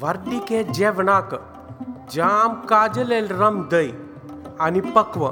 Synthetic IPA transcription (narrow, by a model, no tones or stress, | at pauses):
ʋəɾɖiked͡ʒeʋɳak | d͡ʒaːmkaːd͡ʒəlelɾəmd̪əj | anipəkʋə